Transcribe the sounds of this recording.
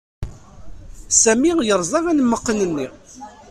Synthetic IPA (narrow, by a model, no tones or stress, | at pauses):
sæmijəɾˤzˤɑʁænmːəqːənənːi